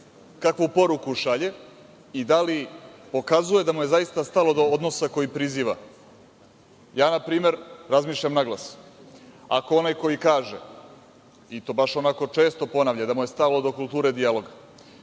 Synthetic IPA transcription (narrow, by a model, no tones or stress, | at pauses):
kakʋupo̞ɾukuʃaʎe̞ | id̪alipo̞kazuje̞d̪amuje̞zaist̪ast̪alo̞d̪o̞od̪no̞sako̞jipɾiziːʋa | jaːnapɾiːme̞ɾɾazmiːʃʎamnaɡlˠas | ako̞onajko̞jikaːʒe | it̪o̞ːbaʃo̞nako̞t͡ʃe̞ːst̪o̞po̞naʋʎad̪amuje̞st̪alo̞d̪o̞kulˠt̪uːɾe̞d̪ijalo̞ɡa